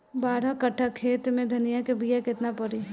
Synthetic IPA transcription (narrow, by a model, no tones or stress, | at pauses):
baːɾakəʈʰːakʰeːt̪mẽd̪ʱɐnijakebijakɪt̪napɐɾiɦɛ